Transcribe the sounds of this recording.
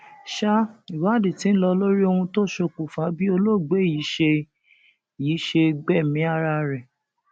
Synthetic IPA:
ʃa˦i˨wa˨˦˨di˨tĩ˨˦lɔ˧lo˦ɾi˦o˧hũ˧to˦ʃo˧k͡pu˨fa˨˦bi˦o˧lo˦˨ɡ͡be˨˦ji˨˦ʃe˧ | jiː˨˦ʃe˧ɡ͡bɛ˦˨mĩ˨˦a˦˧ɾa˧ɾɛ˨

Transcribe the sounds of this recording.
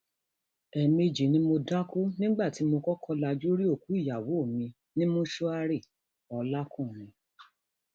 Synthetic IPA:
ɛ˧mi˧d͡ʒi˨nĩ˦mo˧da˦ko˦nĩ˦ɡ͡ba˦˨ti˨˦mo˧kɔ˦kʰɔ˦la˧d͡ʒu˦ɾi˦o˦˨ku˨˦i˦˨ja˨wo˨˦˨mĩ˧ | nĩ˦mõ˦ʃɔ˦a˧ɾe˦˨ | ɔ˧la˦kũ˦˨mĩ˧

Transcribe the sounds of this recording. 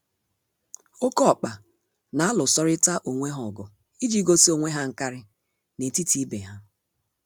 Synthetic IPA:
o˦kɔ˦˨k͡pa˨ | na˨a˦lʊ˨sɔ˦ɾɪ˦ta˦ʔo˨ŋʷe˦ɦɔ˨ɡɔ˨ | i˦d͡ʒi˦ɡo˦si˦o˨ŋʷe˦ɦa˦ŋ̩˨ka˦ɾɪ˦ | ne˨ti˦ti˦be˨ɦa˦

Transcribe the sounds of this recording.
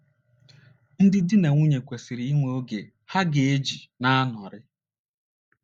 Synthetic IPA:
n̩˦dɪ˦dɪ˦ne˨ŋʷu˦ɲe˨kʷe˨si˨ɾi˨˦i˦ŋʷe˦˨o˦ɡe˨ | ha˦ɡe˨e˦d͡ʒi˨na˦nɔ˨ɾɪ˦

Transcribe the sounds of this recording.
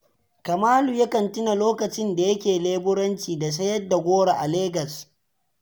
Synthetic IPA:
kɐ˨maː˦lu˨ja˦kɐ˨ntʊ˦na˨loː˦kɐ˨t͡ʃɪ˦nda˨jɐ˦kʲeː˨leː˦bʊ˦ɾɐ˦nt͡ʃiː˨da˨s̬ɐ˦jɐ˦dːa˨ɡʷoː˦ɽa˨ʔa˨leː˦ɡɐ˨s

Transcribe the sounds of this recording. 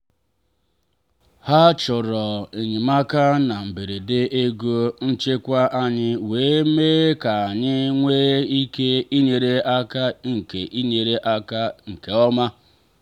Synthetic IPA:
ha˦t͡ʃʊ˨ɾɔ˨e˨ɲɪ˨ma˦ka˦na˨m̩˨be˨ɾe˨de˦e˦ɡo˦n̩˦t͡ʃe˦kʷa˦ʔa˦ɲɪ˦weː˨˦meː˦ka˨a˨ɲɪ˦ŋʷeː˦i˦ke˦i˦ɲe˨ɾe˦a˦ka˦ŋ̩˨ke˨ʔi˦ɲe˨ɾe˦ʔa˦ka˦ŋ̩˨ke˨ɔ˦ma˦

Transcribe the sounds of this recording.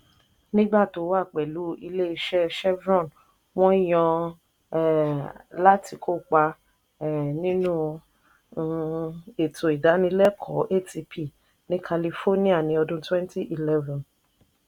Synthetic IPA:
nĩ˦ɡ͡ba˦˨to˨˦wa˦˨k͡pɛ˨lu˨˦i˧le˦i˧ʃɛ˦ʃɛ˦bɾɔ̃˦˨n | w̃ɔ̃˦i˦j̃ɔ̃˧˨ | la˦tʰi˧kʰo˦˨k͡pa˧˨ | nĩ˦nũ˦˧ | e˨tʰo˨i˨da˨˦nĩ˧˦lɛ˦kʰɔ˨˦ʔe˦˨ti˧pʰi˦˨ | nĩ˨˦kʰa˧li˧fo˦nĩ˦a˦˨nĩ˧˦ɔ˧dũ˧twɛ̃˦n˦ti˦ʔi˨lɛ˦vɔ̃˨n

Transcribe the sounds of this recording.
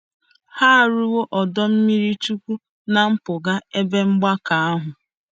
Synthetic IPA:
ha˦˨ɾu˦wo˦ʔɔ˨dɔ˦m̩˦mi˦ɾi˦t͡ʃu˦kʷu˦ | na˨m̩˦pʊ˨ɡa˦e˦be˦ŋ͡m̩˦ɡ͡ba˦ka˨a˦ɦʊ˨

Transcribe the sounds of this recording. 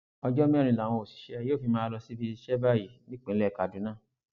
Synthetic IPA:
ɔ˧d͡ʒɔ˦mĩ˦˨ñĩ˧˨la˨w̃ɔ̃˧o˨si̥˨ʃɛ˨˧˦joː˦˨fi˧mãː˦lɔ˧si˦bi˧ʃɛ˦ba˦˨ji˨nĩ˦k͡pĩ˨˦lɛ˦˨ka˨du˨˦nãː˦˨

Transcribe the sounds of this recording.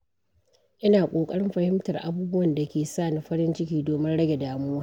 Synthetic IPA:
ʔɪ˦naː˨kʷʼoː˨kʼɐ˦ɽɪ˦mɸɐ˨hɪ˦mtɐ˨rʔa̰˨buː˦bʊ˦wɐ˨nda˨kʲeː˨saː˦˨nɪ˦ɸɐ˦ɽɪ˦nt͡ʃɪ˦kʲiː˦doː˨mɪ˦nɽɐ˦ɡʲe˨daː˨muː˦waː˦˨

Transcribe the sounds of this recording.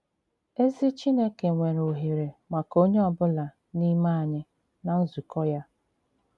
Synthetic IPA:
e˦zi˦t͡ʃi˦ne˦ke˨ŋʷe˨ɾo˨ɦe˨ɾe˨ma˨ko˦ɲe˦ɔ˨bʊ˦la˨ | ni˦ma˦a˨ɲɪ˦ | na˨n̩˦zu˨kɔ˦ja˦

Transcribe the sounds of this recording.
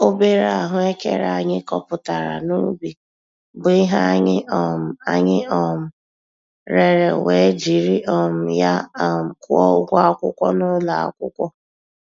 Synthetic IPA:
o˦be˦ɾa˨a˨ɦʊ˦e˦kḛ˨ɾa˦˨ɲɪ˦kɔ˦pʊ˨ta˨ɾa̰˨nu˦bi˨ | bʊ˨i˦ɦa˦ɲɪ˦ɔ˦˨m̩˨a˨ɲɪ˦ɔ˦m̩˦ | ɾe˦ɾe˨we˨˦d͡ʒi˨ɾi˦ʔɔ˦m̩˦ja˦˨m̩˨kʊ˦ɔ˦ʊ˦ɡʷa˦kʷʊ˦kʷɔ˦nʊ˦la˨a̰˦˨kʷʊ˦kʷɔ˦

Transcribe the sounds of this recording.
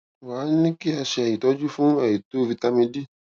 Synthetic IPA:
wa˨˦nĩ˦ki˦a˧ʃɛ˧ɛ˨ji˨tɔ˨˦d͡ʒu˦fũ˦ɛ˨ji˨to˦vi˧ta˧mĩ˧di˦

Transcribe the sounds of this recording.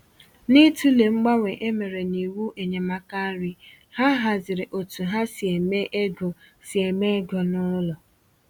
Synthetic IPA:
nɪ˦tu˦le˨ŋ͡m̩˦ɡ͡ba˦ŋʷe˨ʔe˦me˨ɾe˨ni˨wu˦ʔe˨ɲe˨ma˦ka˦ɾi˦ | ha˦ɦa˨zɪ˨ɾɪ˨ʔo˨tu˨ɦa˦sɪ˨e˨me˦ʔe˦ɡo˨sɪ˨e˨me˦ɡɔ˨nʊ˦lɔ˨

